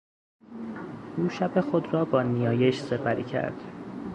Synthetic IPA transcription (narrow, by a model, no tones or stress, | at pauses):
ʔuːʃæbe̞xod̪rɒːbɒːnijɒːjeʃse̞pʰæɾḭːcʰæ̰ɾd̪̥